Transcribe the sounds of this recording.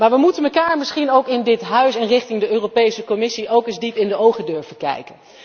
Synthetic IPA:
maːɹʋəmutənməkaːɹmɪsχinowkɪndɪtɦœɥsɛnrɪχtɪŋdəʔøːrowpejsəkɔmɪsiʔowkɪzdipɪndəowχədøɹvəkɛ̰jkən

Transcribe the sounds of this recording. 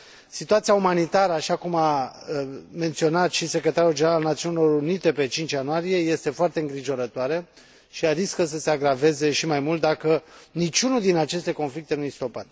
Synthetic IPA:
sit̪uat̪sijaumanit̪aɾəaʃakuma | me̞nt̪sio̞nat̪ʃise̞kɾe̞t̪aɾuld͡ʒeeɾaalnat̪siunilo̞ɾunit̪e̞pe̞t͡ʃint͡ʃʲjanuaɾije̞je̞st̪e̞foart̪eɨŋɡɾiʒo̞ɾət̪oaɾe | ʃiaɾiskəs̬əse̞aɡɾave̞ze̞ʃimajmult̪̚d̪akənit͡ʃunuld̪inat͡ʃe̞st̪e̞ko̞nflik̚t̪e̞nujest̪o̞pat̪

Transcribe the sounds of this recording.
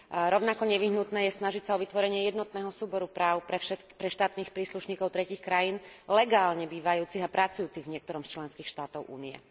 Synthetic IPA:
ɾɔʊnakɔɲɛʋiɦnut̪nɛːjɛsnaʒicsaɔʋit̪ʋɔɾɛɲɪɛjɛd̪nɔt̪nɛːɦɔsuːbɔɾupɾaːʊpɾɛʃɛ | pɾɛʃt̪aːt̪niːxpɾiːsluʃɲiːkɔʊt̪ɾɛciːxkɾajiːnlɛɡaːlɲɛbiːʋajuːt͡siɣapɾat͡sujuːt͡siɣvɲɪɛk̚t̪ɔɾɔmst͡ʃlɛnskiːxʃt̪aːt̪ɔʊʔṵːniɛ̰

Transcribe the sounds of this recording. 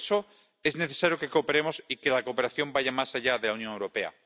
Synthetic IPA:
so | e̞zne̞θe̞saɾjoke̞kope̞ɾe̞mo̞sike̞lakope̞ɾaθjo̞mbaʝamasaʎaðe̞launjoŋewɾo̞pe̞a̰

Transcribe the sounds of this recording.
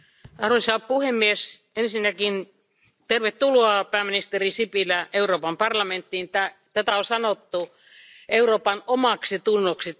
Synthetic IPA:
hɑrusɑlppuhemːies | ensinːækin | t̪erʋet̪tuluɑpæːminist̪erisipilæʔeuɾoːpɑmpɑrlɑment̪ːint̪æt̪æt̪æosɑnot̪ːu | euroːpɑnomɑksit̪unːoksi

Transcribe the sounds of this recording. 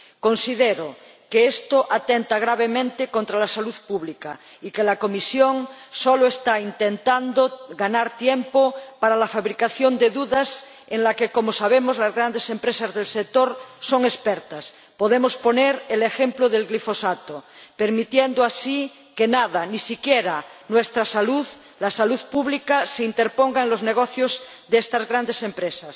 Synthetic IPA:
ko̞nsiðeɾokeest̪oʔat̪ent̪aɣɾaβ̞emẽnt̪ekont̪ɾalasaluðpuβlika | ikelakomisjoŋsoloest̪aint̪ent̪and̪oɡanaɾt̪jempopaɾalafaβɾikaθjond̪eðuðas | eŋlakekomosaβ̞emozlazɣɾand̪esempɾesazðelsek̚t̪oɾso̞ŋespeɾt̪as | poðemospo̞neɾelexemploðe̞lɣlifosat̪o | peɾmit̪jend̪oasi | kenaðanisikjeɾanwest̪ɾasaluð | lasaluðpuβlikaseint̪eɾpoŋɡaenlozneɣ̞oθjoz | ðeest̪azɣɾand̪esempɾesas

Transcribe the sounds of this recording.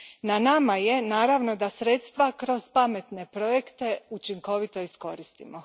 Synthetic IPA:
nanamaje̞naːɾaʋno̞d̪asɾeːt̪st̪ʋakɾo̞z̥pame̞t̪ne̞pɾo̞je̞kt̪e̞ut͡ʃiŋko̞ʋit̪o̞isko̞ɾist̪ḭmo

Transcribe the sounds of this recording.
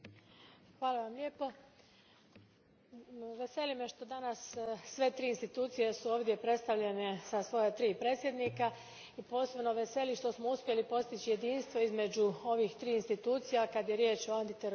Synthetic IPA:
xʋaːlaʋamlʲe̞ːpo̞ | ʋe̞se̞lime̞ʃt̪o̞d̪anasːʋe̞t̪ɾiːnst̪it̪uːt̪sije̞suo̞ːʋd̪je̞pɾe̞t̪st̪aʋʎe̞ne̞sasʋo̞jat̪ɾiːpɾe̞ːt̪sʲjed̪niːka | ipo̞ːse̞bno̞ʋe̞se̞liʃt̪o̞smo̞uspje̞lipo̞st̪it͡ɕije̞d̪iːnst̪ʋo̞izme̞d͡ʑuo̞ʋixt̪ɾiːinst̪it̪uːt̪sijakad̪je̞ɾje̞ːt͡ʃoant̪it̪eɾ

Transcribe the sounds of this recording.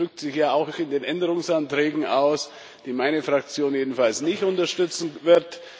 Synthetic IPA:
ʏk̚tz̥ɪçjaːaʊxɪndeːnʔɛndəʁʊŋsantʁ̥ɛːɡŋ̩aʊs | d̥iːmaɪnəfʁ̥ak̚t͡sjoːnjeːdn̩falsnɪçtʊntɐʃtʏt͡sn̩vɪɐt

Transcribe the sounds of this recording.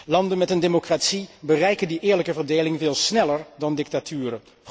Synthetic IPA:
lɑndənmɛtəndeːmokraːtsibərɛjkəndiʔɪːɹləkəvəɹdejlɪŋvɪːlˠsnɛləɹdɑndɪk̚tatʰyːɾə

